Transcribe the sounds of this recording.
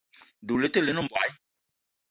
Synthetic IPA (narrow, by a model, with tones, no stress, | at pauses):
du˨le˨˦t̪e˦˨le˨˦nũ˦m˨ba̰˨j